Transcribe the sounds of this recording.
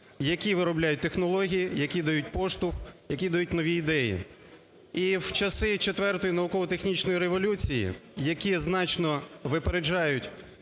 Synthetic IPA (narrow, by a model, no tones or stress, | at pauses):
jɐkʲiʋɪɾɔblʲajʊt̚ʲt̪exnɔlˠɔɦʲijijɐkʲid̪ɐjut̚ʲpɔʃt̪ʊxjɐkʲid̪ɐjut̚ʲnɔʋʲiːd̪ɛjḭ | iwt͡ʃɐsɪt͡ʃet̪ʋɛrt̪ɔjinɐʋʊkɔʋɔt̪exnʲit͡ʃnɔjiɾeʋɔlʲut͡sʲijḭjɐkʲiznɑt͡ʃnɔʋɪpeɾed͡ʒɑjʊtʲ